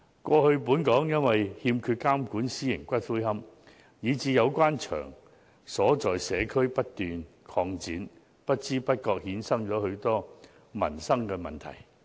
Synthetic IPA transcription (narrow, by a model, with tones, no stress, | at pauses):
kʷɔː˧hɵ˧ɥpuː˨˥nkɔː˨˥ŋjɐ˥nwɐ˨jhiː˧mkʰyː˧t̚kaː˥mkuː˨˥nsiː˥jɪ˨˩ŋkʷɐ˥t̚fuː˥jhɐ˥m | jiː˨˧t͡siː˨˧jɐ˨˧wkʷwaː˥nt͡ʃʰœ̰ː˨˩ŋ | sɔː˨˥t͡ʃɔː˨jsɛː˨˧kʰɵ˥ɥpɐ˥t̚t̪yː˨n | kʰɔː˧ŋt͡siː˨˥n | pɐ˥t̚t͡siː˥pɐ˥t̚kɔː˧k̚hiː˨˥nsɐ˥ŋt͡ʃɔː˨˥hɵ˨˧ɥt̪ɔː˥ | mɐ̰˨˩nsɐ˥ŋkɛː˧mɐ̰˨˩nt̪ʰɐ̰˨˩j